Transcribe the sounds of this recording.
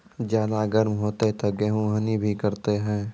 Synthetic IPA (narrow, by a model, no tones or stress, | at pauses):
d͡ʒaːd̪aɡəɾmɦoːt̪et̪oɡeɦũɦənibʱikəɾt̪eɦɛ̃ː